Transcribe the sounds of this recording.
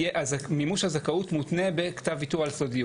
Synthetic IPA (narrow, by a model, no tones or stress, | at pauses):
eʔamimuʃhazakautmut̪ne̞bektavitualsodiu